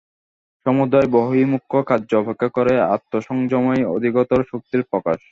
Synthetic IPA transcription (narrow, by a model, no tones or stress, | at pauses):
ʃɔmud̪aeboɦimukʰːokadːd͡ʑobʱekʰːakoɾea̰t̪ːoʃɔŋd͡ʑɔmɔeo̰d̪ʱiɡɔt̪oɾʃuk̚t̪iɾpɾɔka̰ʃ